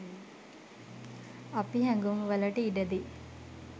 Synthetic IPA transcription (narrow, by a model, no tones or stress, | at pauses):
apiɦæŋɡumʋəlɐʈəiɖəd̪i